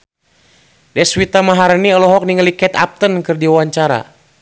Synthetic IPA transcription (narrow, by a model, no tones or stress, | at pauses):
dɛswit̪amaɦaɾəniɔlɔɦɔk̚niŋalikɛt̪a̰p̚t̪ənkɨrdiwaɲt͡ʃaɾa̰